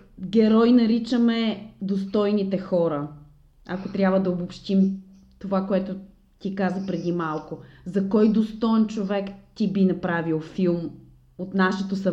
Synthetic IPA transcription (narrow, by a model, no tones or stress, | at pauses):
ɡʲɛɾɔjnɐɾit͡ʃəmɛd̪ost̪ɔjnit̪ɛxɔɾə | ɐkot̪ɾʲjabvəd̪ɐobopʃt̪im | t̪ovakoɛt̪ʊ | t̪ikazəpɾɛd̪imalˠkozɐkɔjd̪ost̪ɔɛnt͡ʃovɛkt̪ibinɐpɾavilˠfilˠm | ot̪naʃɛt̪osɐ